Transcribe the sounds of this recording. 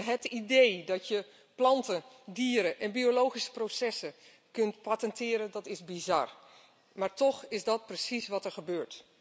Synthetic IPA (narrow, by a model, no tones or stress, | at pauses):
ɦətidejdɑtjə | plɑntə | diːəɾəʔɛnbiolowχisə̥prosɛsə | kɵntpatəntɪːɾəndɑtɪzbizɑ̰r | maːɹtɔχɪzdɑt̚prəsisʋɑtəɹχəbøːɹt